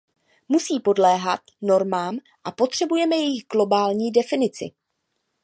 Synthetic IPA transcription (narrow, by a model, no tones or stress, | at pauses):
musiːpo̞dlɛːɦat̪no̞ɾmaːm | ʔapo̞t̪r̝̥ɛbujɛmɛjɛjɪxɡlo̞baːlɲiːdɛfɪnɪt͡sɪ̰